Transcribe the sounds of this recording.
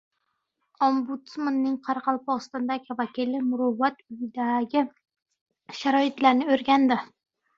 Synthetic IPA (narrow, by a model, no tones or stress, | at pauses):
ombut̪smanːɪŋqʰɑɾqʰɑlˠpɒst̪ɒnd̪aɡʲɪvakʲilɪmʊɾʊvːat̪ʊjɪd̪aɡʲɪ | ʃaɾɒɪt̪laɾnɪɵɾɡʲand̪ɪ